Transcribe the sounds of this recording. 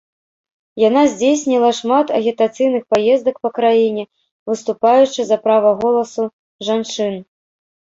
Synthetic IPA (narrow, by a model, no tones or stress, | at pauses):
janazʲd͡zʲejsʲnʲilˠɐʂmat̪ɐɣʲit̪at̪sɨjnɨxpajɛzd̪ɐkpɐkɾajinʲɛ | vɨst̪upajut͡ʂɨzɐpɾavɐɣɔlˠɐsu | ʐant͡ʂɨn